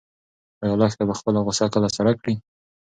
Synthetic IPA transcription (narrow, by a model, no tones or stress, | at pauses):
ajalɑxt̪abaxpəlaɣʊsakəlasaɾakɽi